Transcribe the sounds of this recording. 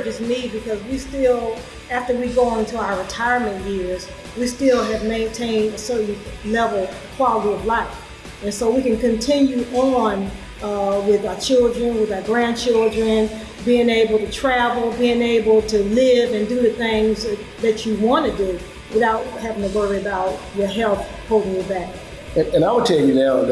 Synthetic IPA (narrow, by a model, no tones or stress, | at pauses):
d͡ʒɨsmibɨkʌzwistɪlˠ | æftə˞wiɡoʊɪ̃ntʰəaʊə˞ɹɨtʰaɪə˞mɨ̃njɪɹz̥ | wistɪlˠɨvmẽɪ̃ntʰẽɪ̃ndɨsɜ˞ʔn̩lɛvl̩ˠ | kʰw̥ɑlˠəɾiʌvlaɪf | ɨ̃nsoʊwikɨ̃nkɨ̃ntʰɪ̃njʉʔə̃n | ʌwɪðəət͡ʃʰɪlˠdɹɨ̃nwəðəɡɹæ̃nt͡ʃʰɪlˠdɹɨ̃n | biɪ̃ŋeɪbl̩ˠtɨtʰɹ̥ævl̩ˠbiɪ̃ŋeɪbl̩ˠtʰɨlɪvɨ̃ndɨðɨθɪ̃ŋz | ðɨt͡ʃɨwɑ̃ntɨdɨ | wɨθaʊt̚hævɪ̃ŋtʰɨwɜ˞iɨbaʊt͡ʃ̚ | ə˞ɦɛlˠθ | hoʊlˠdɪ̃ŋjə˞bæk̚ | ɨ̃ɨ̃naɪwəd̚tʰɛlˠjɨnaʊ